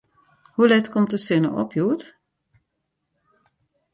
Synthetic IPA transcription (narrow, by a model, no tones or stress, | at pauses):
hulɛtkɔmtəsɪnə̰ʔɔ̰pʰjuət